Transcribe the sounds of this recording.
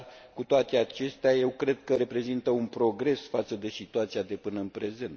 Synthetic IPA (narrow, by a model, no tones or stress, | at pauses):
kut̪oat̪e̞at͡ʃe̞st̪eaje̞wkɾe̞d̪̚kəɾe̞pɾe̞zint̪əunpɾo̞ɡɾe̞sfat̪səd̪e̞sit̪uat̪sijad̪e̞pɨnəɨnpɾe̞ze̞nt̪